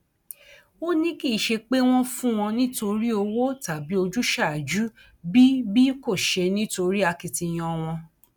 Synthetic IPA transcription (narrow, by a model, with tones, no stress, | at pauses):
wo˦nĩ˦ki˦˨ʃe˧k͡pe˦w̃ɔ̃˦fũ˦w̃ɔ̃˧nĩ˦to˧ɾi˦o˧wo˦ta˨bi˨˦o˧d͡ʒu˦ʃa˦˨d͡ʒu˦ | bi˦bi˦ko˦˨ʃe˧nĩ˦to˧ɾi˦a˧ki˧ti˧j̃ɔ̃˧w̃ɔ̃˧